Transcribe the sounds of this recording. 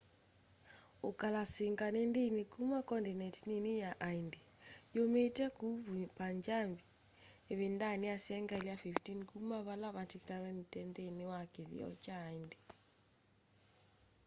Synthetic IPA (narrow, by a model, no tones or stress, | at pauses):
okalaseŋɡanendenekumakɔndinɛtnenujaʔaindejometɛkuβupaɲd͡ʒambi | eβendaneasɛŋɡaeliafiftinkumaβalaβatikɾalɛmitɛndenewakeðḭɔ̰t͡ʃaːinde